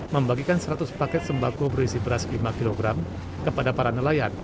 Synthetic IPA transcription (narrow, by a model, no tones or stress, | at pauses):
məmbaɡikansəɾat̪ʊspakɛt̪̚səmbakobərɾisibəɾaslimakiloɡɾam | kəpadapaɾanəlajan